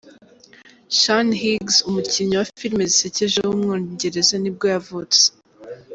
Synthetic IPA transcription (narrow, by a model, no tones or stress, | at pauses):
ʃanɦiɡzumuciɲɲowafiɾme̞ziseceʒewumŋoːɲɟe̞ɾe̞zanib̚ɡojavut͡se̥